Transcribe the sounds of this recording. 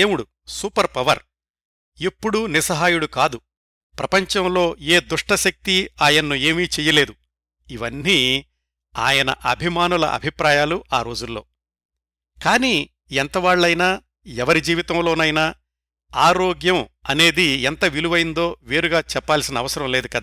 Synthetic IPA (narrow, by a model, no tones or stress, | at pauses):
eːmuɽu | suːpɐɾpɐʋɐɾ | ipːuɽunisɐɦaːjuɽukaːd̪u | pɾɐpɐɲt͡ʃɐmlo̞ːeːd̪uʂʈɐʃɐk̚t̪iaːjɐnːueːmiːt͡ʃɛːjɐle̞ːd̪u | iʋɐnːi | a̰ːjɐnɐ̰ʔɐbʱimaːnulɐ̰ʔɐ̰bʱipɾaːjaːluaːɾo̞ːd͡ʒulːo̞ː | kaːniː | ɛnt̪ɐʋaːɭːɐjnaː | ɛʋɐɾid͡ʒiːʋit̪ɐmlo̞ːnɐjnɐ | aːɾoːɡjɐm | ɐne̞ːd̪iɛnt̪ɐʋiluʋɐjind̪o̞ːʋeːɾuɡaːt͡ʃɛpːaːlsinɐːʋɐsɐɾɐmle̞ːd̪ukɐd̪aː